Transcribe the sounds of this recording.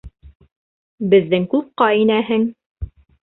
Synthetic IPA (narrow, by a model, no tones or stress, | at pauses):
bɘ̆ðːɘŋkʉp̚qɑinæɦɘŋ